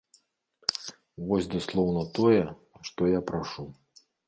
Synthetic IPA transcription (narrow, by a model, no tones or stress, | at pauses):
vɔsʲd̪uslˠɔwnɐt̪ɔjɛ | ʂt̪ɔjapɾaʂu